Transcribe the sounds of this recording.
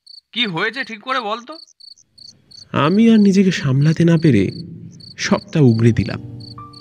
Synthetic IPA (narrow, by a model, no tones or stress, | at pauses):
kiɦojet͡ɕʰeʈʰikːoɾebolt̪o | a̰miaɾnid͡ʑekeʃamlat̪enapeɾḛ | ʃɔb̚ʈauɡɾed̪ila̰m